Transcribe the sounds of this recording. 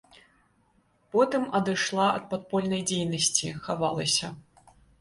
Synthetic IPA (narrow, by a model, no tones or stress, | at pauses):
pɔt̪ɨmɐd̪ɨʂlˠaɐ̰t̪̚pat̪̚pɔlʲnɐjd͡zʲejnɐsʲt͡sʲixavalˠɐsʲɐ